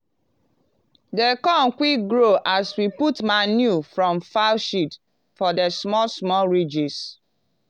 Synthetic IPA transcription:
dekɔ̃nkwiɡɹoʔaswiputmanjufɹɔ̃mfaʃit | fɔdəsmɔsmɔɹid͡ʒis

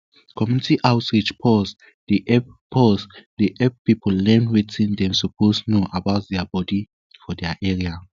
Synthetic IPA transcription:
kʰɔmjunitʰiʔawtɹit͡ʃpʰɔs | diʔɛb̚pʰɔsdiʔɛb̚pipʰɔlːɛnwitĩndɛ̃msupʰosnoʔabawt̚dɛabɔdi | fɔdɛaʔɛɹia

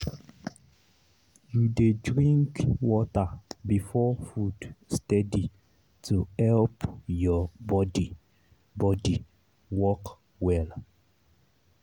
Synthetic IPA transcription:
judedɹĩŋkwɔtabifɔfudstɛdi | tʰuhɛlpjɔbɔdi | bɔdi | wɔk | wɛl

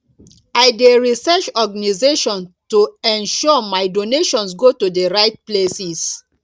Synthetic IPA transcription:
aɪdeɹisɛt͡ʃɔɡanizeʃɔ̃ntuɛ̃nʃɔmaɪdoneʃɔ̃nsɡotudəɹaɪt̚plesis

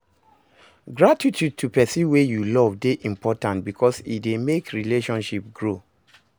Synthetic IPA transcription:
ɡɹatitʰjud̚tʰupɛsiwejulɔvdeʔĩmpʰɔtãntbikʰɔsidemekɹileʃɔ̃nʃip̚ɡɹo

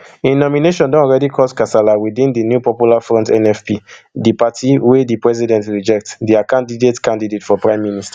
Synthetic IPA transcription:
ĩnɔmineʃɔ̃ndɔ̃ɔlɹɛdikʰɔskasalawidĩndinjupɔpjulafɹɔ̃ntɛ̃nɛfpidipatʰiwedipɹɛzidɛ̃ntɹid͡ʒɛk̚tdiakãndidetkãndidetfɔpɹãɪ̃mːinista

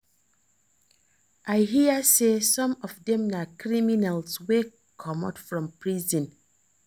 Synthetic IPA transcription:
ʔaɪɦiəsesɔ̃mɔvdɛ̃mnakʰɹiminalswe | kʰɔmatfɹɔ̃mpʰɹizɔ̃n

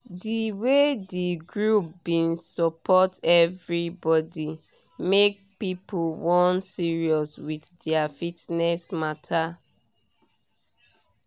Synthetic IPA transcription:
diwediɡɹup̚bĩnsɔpʰɔtɛvɹibɔdi | mek̚pipulwɔ̃nsiɹiɔswiθdɛafitnɛsmatʰa

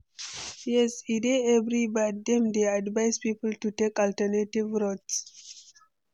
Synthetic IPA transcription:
jɛsideɛvɾibat̚d̪ɛ̃md̪eadvajzpipəltutekɔltənetivɾots

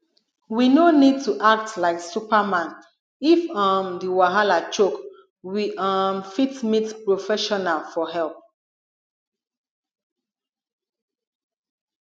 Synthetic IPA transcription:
winonid̚tuʔak̚tlaɪksupamãn | ifãmdiwaɦalat͡ʃok | wiʔamfitmitpɹofɛʃɔnalfɔɦɛlp̚

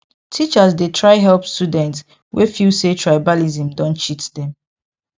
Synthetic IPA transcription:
tʰit͡ʃasdetʰɹaɪɦɛlpstudɛ̃nts | wʔefilsetʰɹajbalizĩmdɔ̃nt͡ʃitdɛ̃m

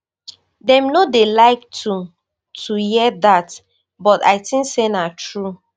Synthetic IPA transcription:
dɛ̃mnodelaɪk̚tʰu | tʰujiɛdat | bɔta̰ɪtĩŋksenatɹu

